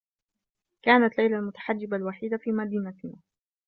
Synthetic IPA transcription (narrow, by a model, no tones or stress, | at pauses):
kaːnat̪lajlalmʊt̪ḁħad͡ʒːɪbalwaħiːd̪afiːmad̪iːnat̪ɪnaː